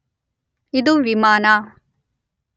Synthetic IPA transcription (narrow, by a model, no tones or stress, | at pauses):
id̪uʋimaːna